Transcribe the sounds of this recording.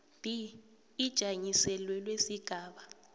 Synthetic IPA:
b̥ʱiː | d̥ʒ̥ʱaɲisɛlwɛlwesiɡ̥ʱaːɓa

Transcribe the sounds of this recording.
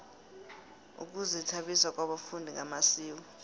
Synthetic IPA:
ṵk̬ʼuzitʰaɓiswak̬ʼwaɓafundʱiŋamasiːwɔ

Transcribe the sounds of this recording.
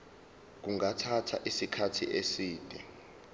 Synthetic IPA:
k̬uŋatʰatʰa̰ʔisikʰatʰiʔesiːd̥ʱɛ

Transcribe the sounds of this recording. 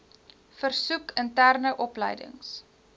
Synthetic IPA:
fərsukəntærnəʔɔplə̰jdə̰ŋs

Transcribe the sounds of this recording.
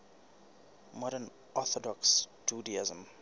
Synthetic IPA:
mɔɾən | ɔθɔdɔksd͡ʒudiazə̃m

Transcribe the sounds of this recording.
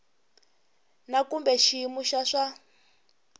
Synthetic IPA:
nakumbɛʃimuʃaʂa

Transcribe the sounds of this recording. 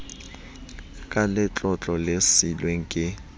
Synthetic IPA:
kʼalɪt͡ɬʼɔt͡ɬʼɔlɪsilweŋ̩kʼɪ

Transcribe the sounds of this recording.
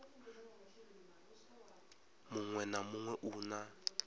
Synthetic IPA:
mʊŋwɛnamuŋwɛʔuːna

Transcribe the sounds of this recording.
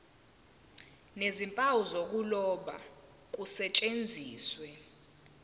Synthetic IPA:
nezimpʼawuzok̬ulɔɓa̰ | k̬usɛt͡ʃʼend͡zʱiːswɛ

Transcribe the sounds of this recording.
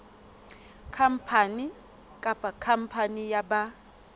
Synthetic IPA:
kʰam̩pʰani | kʼapʼakʰam̩pʰanijaba

